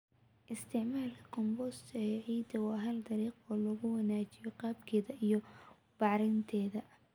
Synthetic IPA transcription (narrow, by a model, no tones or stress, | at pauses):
ʔɪst̪ʰɪʕmaːlkʰɐ̥kʰɔmbɔst̪ʰɐɛːʕiːd̪ɐwɑːɦɐld̪ɐɾiːqɔːlɔɣʊwɐnaːt͡ʃɪjɔqɑːbkʰɛːðɐʔijɔ | b̥ɑʕɾɪnt̪ʰɛːðɐ